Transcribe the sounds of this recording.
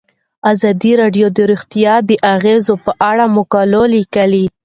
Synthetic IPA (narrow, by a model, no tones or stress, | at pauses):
azɑd̪iɾɑɖjod̪əɾuxt̪ijɑd̪əʔaɣezopəʔaɽamʊkɑlolikəli